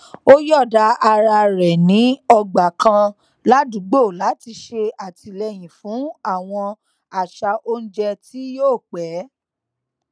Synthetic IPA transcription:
o˦jɔ˦˨da˧a˧ɾa˧ɾɛ˨nĩ˨˦ɔ˧ɡ͡ba˨kã˧ | la˦du˨˦ɡ͡bo˦˨la˨˦ti˧ʃe˧a˨tʰi˨˧lɛ˧˨j̃ĩ˨fũ˨˦a˦˨w̃ɔ̃˧ | a˨ʃa˧ʔo˦n̩˦d͡ʒɛ˧ti˦joː˦˨k͡pɛ˨˦

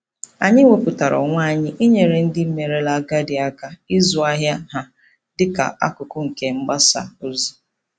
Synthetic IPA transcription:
a˨ɲɪ˦ŋʷe˨pʊ˨ta˨ɾɔ̰˨ŋʷa˦˨ɲɪ˦ʔi˦ɲe˨ɾe˨n̩˦dɪ˦m̩˦me˨ɾe˦la˨ɡa˦dɪ˨a˦ka˦ɪ˦zʊ˨a˦ɦja˦ɦa˨ | dɪ˦ka̰˨ʔa̰˦kʊ˨kʊ˦ŋ̩˨ke˨ŋ͡m̩˦ɡ͡ba˦sa̰˨o˦zu˨

